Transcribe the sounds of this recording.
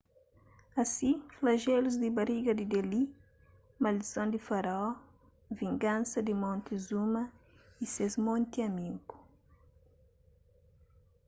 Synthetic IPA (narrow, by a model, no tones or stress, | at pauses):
ɐsiflɐʒeluzd̪ibɐɾiɡɐd̪id̪eli | mɐlisõnd̪ifaɾaɔ | viŋɡãnsɐd̪imõnt̪izumɐisezmõnt̪iɐmiŋku̥